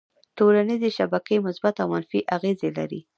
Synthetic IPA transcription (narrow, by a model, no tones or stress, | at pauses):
tolanizeʃabakəjmʊsbat̪awmanfiʔaɣezela̰ɾḭ